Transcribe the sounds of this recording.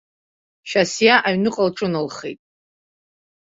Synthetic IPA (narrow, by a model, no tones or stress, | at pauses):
ʃasjaʔaɥnɨqʼalʈ͡ʂʼɨnalχejtʼ